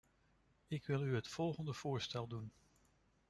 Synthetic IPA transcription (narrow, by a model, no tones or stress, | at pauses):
ɪkʋɪlˠyɦətfɔlˠχəndəv̥ʊːɹstɛlˠdun